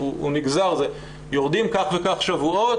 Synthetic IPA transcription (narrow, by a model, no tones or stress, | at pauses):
uuniɡzaʁze | joʁd̪imkaχvekaχʃavuo̞t